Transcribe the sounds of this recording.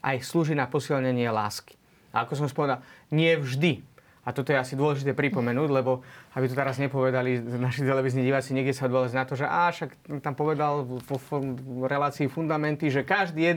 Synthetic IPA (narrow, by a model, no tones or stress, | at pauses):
ʔa̰jsluːʒinapɔsilɲɛɲɪɛla̰ːski̥ | a̰akɔs̬ɔmspɔʋɛd̪alɲɪɛvʒd̪i | at̪ɔt̪ɔjɛasid̪ʊɔlɛʒit̪ɛːpɾipɔmɛnuːɟlɛbɔabit̪ɔt̪ɛɾazɲɛpɔʋɛd̪alinaʃit̪ɛlɛʋiznɲiɟiʋaːt͡siɲɛɡɟɛsaɔd̪ʋɔlaɟnat̪ɔʒɛʔaːʃak̪t̪ampɔʋɛd̪alɔfɾɛlaːt͡siːfund̪amɛnt̪iʒɛkaʒd̪iːjɛ